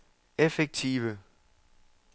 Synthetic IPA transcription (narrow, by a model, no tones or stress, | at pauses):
efeɡ̥̚t͡sʰḭʋə